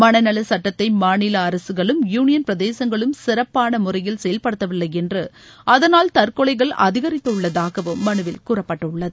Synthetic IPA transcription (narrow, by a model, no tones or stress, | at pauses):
mɐnɐnɐlɐsɐʈːɐt̪ːɐɪmaːnɪlɐːɾɐsɯɣɐɭɯmjuːnɪjɐnpɪɾɐðeːsɐŋɡɐɭɯmsɪrɐpːaːnɐmʊrɐjɪlsɛjɐlpɐɽɯt̪ːɐʋɪlːɐɪɛndrɯʔɐðɐnaːlt̪ɐɾkɔɭɐɪɣɐɭʔɐ̰ðɪɣɐɾɪt̪ːɐʊɭːɐðaːɣɐʋɯmːɐɳɯʋɪlkuːrɐpːɐʈːɐʊɭːɐðɯ